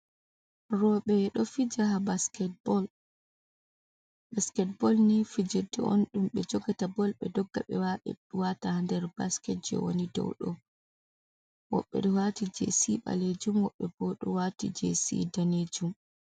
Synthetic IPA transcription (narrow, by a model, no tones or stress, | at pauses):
rɔɓɛɗɔfid͡ʒaɦabaskɛt̚bɔl | baskɛt̚bɔlnifid͡ʒedɛ̰o̰nɗumɓɛd͡ʒɔɡatabɔlɓɛdɔɡːa̰ɓɛwaɓɛ̰ɗuwatahandɛɾbaskɛt̚d͡ʒɛ̰wo̰nidɔ̰wɗɔ̰ | wɔ̰ɓːɛ̰ɗɔwatid͡ʒḛsiɓa̰led͡ʒumwɔɓːɛbɔɗɔwatḭd͡ʒḛsḭdaned͡ʒum